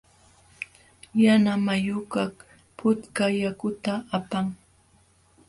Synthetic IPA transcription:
janamajʊkak | pʰʊt̪kajakʊt̪aːpaŋ

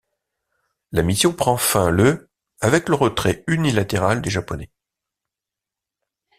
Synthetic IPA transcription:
lamisjɔ̃pχɑ̃fɛ̃lə | avɛkləʁət̪χɛynilat̪eʁald̪eʒapɔnɛ

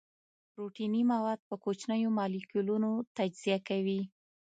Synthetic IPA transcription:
pɾoʈinimawɑd̪̚pəkot͡ʃnəjomɑlikulunot̪ad͡ʒz̥ijakawi

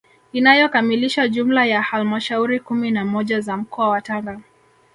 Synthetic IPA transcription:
inajɔkamiliʃaʄumlajahalmaʃauɾikuminamɔʄazam̩kɔawataŋɡa

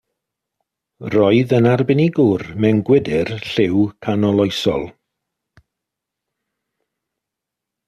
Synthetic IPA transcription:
rɔɨðənarbɪniɡʊrmɛnɡwɪdɪrɬɪwkʰanɔlˠɔjsɔ̰lˠ

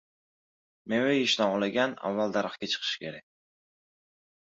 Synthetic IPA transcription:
mewejɪʃnɒʁlˠaɡʲana̰vːalˠd̪aɾɨχkʲat͡ʃʰɨ̥qʰɨ̥ʃkʲʰe̞ɾak̚ʲ

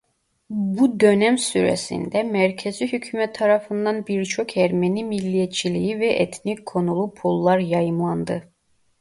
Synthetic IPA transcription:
bud̪ø̞næmsyɾḛsḭnd̪ɛmæɾcʰeziɦycʰymɛt̪ʰːɑɾɑfɯnd̪ɑnbiɾt͡ʃʰo̞kʰæɾmenimilʲːijɛt̪t͡ʃʰilʲijivɛʔɛt̪ʰnickʰːo̞nulˠupʰulˠːaɾjɑjɯmlˠand̪ɯ

